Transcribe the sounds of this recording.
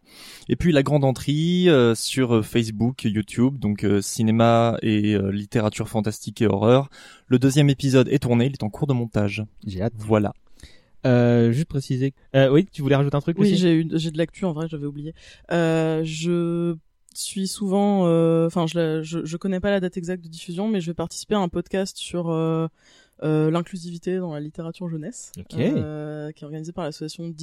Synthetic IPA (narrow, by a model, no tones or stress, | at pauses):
epɥilaɡʁɑ̃d̪ɑ̃t̪χiøsyʁøfɛs̬bukjut̪ʰjubd̪ɔ̃køsinemaeø̰lit̪eʁat̪yʁfɑ̃t̪ast̪ikeɔ̰ʁœːʁ | ləd̪øzjɛmepizɔd̪ɛ̰t̪uʁneilɛt̪ɑ̃kuʁd̪əmɔ̃t̪aʒʒeat̪vwala̰ | øʒys̬t̪̚pχesize | øwit̪yvulɛʁaʒut̪eɛ̃t̪χykoiiʒeyʒed̪əlak̚t̪ʰyɑ̃vʁɛʒavɛublijeøʒə | sɥisuvɑ̃øɑ̃fɛ̃ʒəlaʒəʒəkɔnɛpalad̪at̪ɛɡzakt̪̚d̪əd̪ifyzjɔ̃mɛʒəvɛpaʁt̪i̥si̥peaɛ̃pɔd̪kast̪syʁøː | lɛ̃klyzivit̪ed̪ɑ̃lalit̪eʁat̪yʁʒənɛsokekʲiɛt̪ɔʁɡanizepaʁlasɔ̥sjasjɔ̃d̪